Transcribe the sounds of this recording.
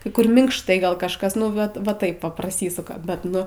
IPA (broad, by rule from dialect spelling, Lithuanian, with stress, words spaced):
kɐɪ ˈkʊr mʲɪŋkʃˈtɐɪ ˈɡɐlˠ ˈkɑːʃkɐs ˈnʊ ʋɐt ʋɐ ˈtɐɪp ʋɐ prɐˈsʲiːsʊkɐ bʲɛt ˈnʊ